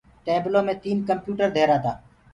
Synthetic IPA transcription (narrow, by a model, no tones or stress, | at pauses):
ʈeːblõːmẽːt̪iːnkəmpjuːʈəɾd̪ʱeːɾaːt̪ʰa̰ː